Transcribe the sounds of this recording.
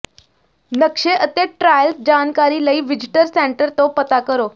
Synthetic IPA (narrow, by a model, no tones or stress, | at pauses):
nəkʂeʔət̪eʈɾajəlsd͡ʑankaɾiːləiːʋid͡ʑiʈəɾseɳʈəɾt̪opət̪akəɾo